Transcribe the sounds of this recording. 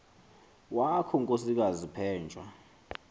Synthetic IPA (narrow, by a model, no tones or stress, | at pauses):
wakʰɔŋkʼosik̬azipʰɛːnd͡ʒʱʼwa